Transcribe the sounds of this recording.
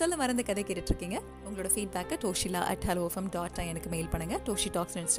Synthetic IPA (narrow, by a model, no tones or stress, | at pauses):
sɔlːɐmɐɾɐnd̪ɐkɐðɛkːɪʈːɪʈːɾɯkːiːŋɡɐ | ʊŋɡɐɭoːɽɐfiːɖ̚baːkːʈoːʂila̰ːʔɐ̰ʈhaːloːɛfɐmɖaːʈːɐɛnɐkːɯmeːɪlpɐɳːɯŋɡɐʈoːʂiʈaːkslɪns